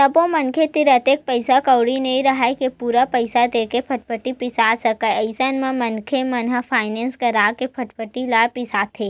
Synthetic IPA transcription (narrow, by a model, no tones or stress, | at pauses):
t̪ɐbõmɐnkʰet̪ɪɾət̪eːk̚pəɪsakəʊɽinɐɦĩɾɐɦaekepuːɾapəɪsad̪eːkepʰɐʈ̚pʰəʈːipɪsaːsɐkaɐɪsənmẽmɐnkʰemɐnɦəpʰaːɪnẽːnskɐɾaːkepʰɐʈpʰəʈːilaːpɪsaːt̪ʰeː